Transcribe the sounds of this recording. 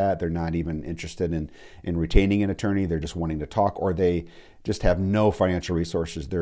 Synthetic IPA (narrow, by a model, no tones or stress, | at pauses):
æt̪̚ðə˞nəɾivɨ̃nɪ̰̃nt͡ʃɹ̥ɨstɨɾɨ̃n | ʔɨ̃nɹitʰẽɪ̃nɪ̃ŋɨ̃nɨtʰɜ̃˞niðə˞d͡ʒʌst̚wɑ̃nɾ̃ɪ̃ŋtʰɨtʰɔkə˞ðeɪ | d͡ʒʌst̚hɨvnoʊfãɪ̃næ̃nʃl̩ˠɹisɔɹsɨzðə